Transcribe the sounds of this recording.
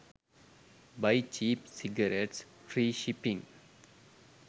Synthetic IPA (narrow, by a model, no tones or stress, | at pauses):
baɪt͡ʃiːpsiɡəɾeʈsfɾiːʃipĩŋ